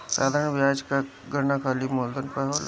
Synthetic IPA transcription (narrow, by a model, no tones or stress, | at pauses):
saːd̪ʱaːɾəɳʋjaːd͡ʒka | ɡənakʰaːlimoːld̪ənpɛɦoːl